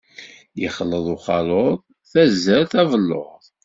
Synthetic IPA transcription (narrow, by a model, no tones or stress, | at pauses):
jəχəlːəðˤuχɑlˤoðˤ | θæzːəɾθævəlːo̰ʁˤ